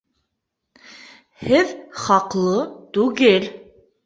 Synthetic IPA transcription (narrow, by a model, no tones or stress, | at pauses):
hɘðχɑqlˠɤt̪ʉɡɘl